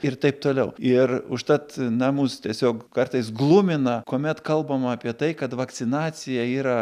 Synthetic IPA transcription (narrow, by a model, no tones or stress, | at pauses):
ɪrt̪ɐɪp̚t̪oːlʲɛʊɪrʊʃt̪ɐt̪nɑːmust̪ʲiɛsʲoːkkɐrt̪ɐɪsɡlˠumʲɪnɐkoːmʲɛt̪kɐlˠbɐmɑːpʲiɛt̪ɐɪkɐt̪ʋɐk̪t͡s̪ʲɪnɑːt͡s̪ʲɪjɛiːɾɐ